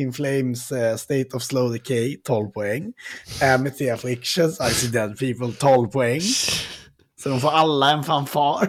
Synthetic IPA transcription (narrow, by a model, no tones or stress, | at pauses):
ɪ̃nfleɪmsst̪eɪt̪ɔvsloʊd̪ɪkʰeɪt̪ʰoːlpʰɔɛŋːɛmɪt̪ʰɪaflɪkʃənsaɪsid̪ɛd̪pʰiːpəlt̪ʰoːlpʰɔɛŋː | sɔd̪ɔmfoːɾalːaɛnfanfɑːɾ